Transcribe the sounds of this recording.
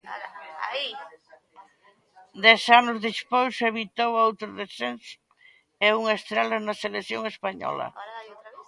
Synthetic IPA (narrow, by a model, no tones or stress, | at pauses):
d̪ɛsanʊzðispojseβit̪owowt̪ɾʊðesensʊ̥ | euŋaest̪ɾalanɐselekθjoŋespaɲɔ̰lɐ̰